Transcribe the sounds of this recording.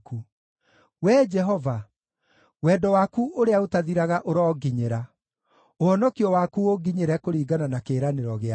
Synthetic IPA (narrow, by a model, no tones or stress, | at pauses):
ku | wɛd͡ʒɛɦɔva | wɛːdɔwaːkuʔoɾeaotaðiɾaɣaʔoɾɔːɡiɲeɾa | oɔnɔkiɔwaːkuoɡiɲeɾɛkoɾiːɡananakeɾaneɾɔɣea